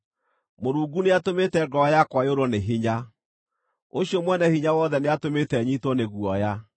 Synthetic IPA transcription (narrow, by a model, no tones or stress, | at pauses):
moɾuːɡuneatometɛɡɔjakwajoɾɔneɦiɲa | oɕijɔmwɛnɛhiɲawɔðɛneatometɛɲitwɔneɣuɔja